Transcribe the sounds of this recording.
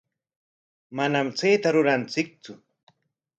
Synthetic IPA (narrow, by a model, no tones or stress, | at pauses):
manamt͡sejt̪aɾʊɾant͡sɪk̚t͡sʊ